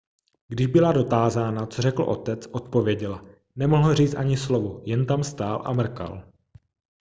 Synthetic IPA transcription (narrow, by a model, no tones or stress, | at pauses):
ɡdɪʒbɪlado̞t̪aːzaːnat͡sorɛkl̩ʔo̞̰t̪ɛt͡sʔo̞t̪po̞vjɛɟɛl | nɛmoɦl̩riːt͡st̪ʔaɲɪslovojɛnt̪amst̪aːlʔa̰mr̩ka̰l